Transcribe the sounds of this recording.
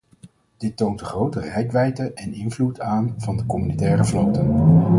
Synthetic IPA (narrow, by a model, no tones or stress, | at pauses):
d̥ɪtːowntəχrowtərɛjkʋɛjtəʔɛnɪnvlutʰaːnvɑndəkɔmynitɛːrəvlowtən